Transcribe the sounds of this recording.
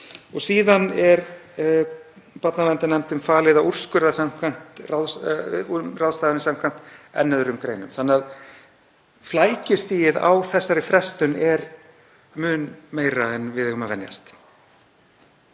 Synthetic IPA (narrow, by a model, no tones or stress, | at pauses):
ɔɣsiːðanɛɾ | pat̪nalɛnt̪anɛm̥t̪ʏmfaːlɪðaur̥skʏɾðasam̥kʰvam̥t̪raðs | rawðst̪aːðnɪsamkʰvam̥t̪ɛ̰nːɛðʏɾʏmkɾḛːjnʏmθanːɪað | flaːjcʏst̪iːjɪða̰wθɛsːaɾɪfɾɛst̪ʏnɛɾ | mʏːnmeːjɾaɛnvɪðhʏmavɛnja̰st̪